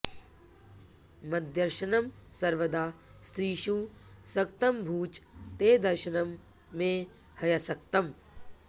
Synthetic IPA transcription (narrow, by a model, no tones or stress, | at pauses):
mɐd̪jɐɾʃɐnɐmsɐɾʋɐd̪aːst̪ɾiːʃuːsɐk̚t̪ɐmbʱuːt͡ʃt̪eːd̪ɐɾʃɐnɐmː | ẽː | hɐjɐsɐk̚t̪ɐm